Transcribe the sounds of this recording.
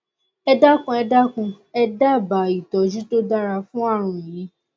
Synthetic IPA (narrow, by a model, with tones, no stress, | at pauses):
ɛ˧da˦kũ˧ɛ˧da˦kũ˧ | ɛ˧da˦˨ba˨i˨tɔ˨d͡ʒi˦to˦da˦ɾa˧fũ˦a˦˨ɾ̃ũ˧ĩ˨jĩ˨˦